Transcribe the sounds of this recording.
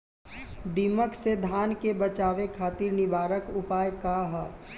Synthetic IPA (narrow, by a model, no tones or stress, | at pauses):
d̪iːməksed̪ʱaːnkebət͡ʃaːʋekʰaːt̪iːɾnɪbaːɾəkʊpaːjkaɦ